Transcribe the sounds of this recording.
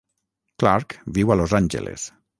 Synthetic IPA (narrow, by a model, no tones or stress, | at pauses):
klaɾkbiwalozanʲd͡ʒḛlḛs